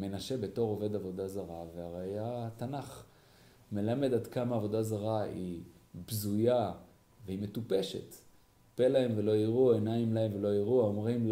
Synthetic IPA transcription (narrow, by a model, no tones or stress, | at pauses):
me̞naʃe̞be̞to̞ʁo̞ve̞d̪avo̞d̪azaʁaveaʁeajat̪anaχ | me̞lame̞d̪ad̪kamaːvo̞dazaʁaibzuja | veime̞tupe̞ʃe̞̰t | pe̞laemve̞lo̞iʁuaenaimlaemvelo̞iʁuaomʁim